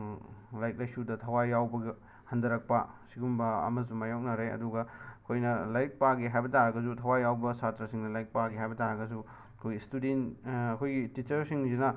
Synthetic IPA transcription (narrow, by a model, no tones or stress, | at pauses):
lajk̚lajsudɐtʰɐwajːawbɐɡi | hɐndɐɾɐk̚pɐsiɡumbɐɐ̰mɐsumajaw̚nɐɾeɐ̰duɡɐɐkʰojnɐlajk̚paɡiɦajbɐtaɾɐɡɐsutʰɐwajːawbɐsatɾɐsiŋnɐlajk̚paɡiɦajbɐtaɾɐɡɐs̬u | ɐkʰojɡistudenɐkʰojɡitit͡ʃɐɾsiŋzinɐ